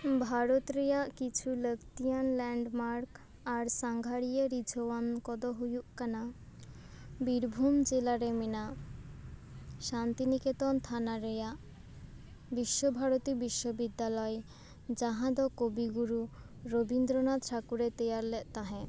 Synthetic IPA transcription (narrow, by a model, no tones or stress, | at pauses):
bʱaɾot̪ɾejaʔkit͡ɕʰuləkt̪ijanlɛɳɖmaɾk | aɾsaŋɡʱaɽijeɾid͡ʑʱowankɔd̪oɦujuʔkana | biɾbʱumd͡ʑelaɾemena | ʃant̪iniket̪ɔnt̪ʰanaɾejaʔ | biʃːobʱaɾot̪ibiʃːobid̪ːalɔe | d͡ʑaɦãd̪ɔkobiɡuɾu | ɾobind̪ɾonat̪ʰɾakuɾet̪ejaɾlɛʔt̪aɦɛ̃